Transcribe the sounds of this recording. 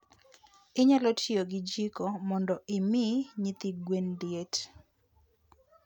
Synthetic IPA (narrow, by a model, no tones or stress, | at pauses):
ɪɲalɔtʰjoɡɪd͡ʒikɔmɔndɔʔɪmɪɲit̪iɡwendjet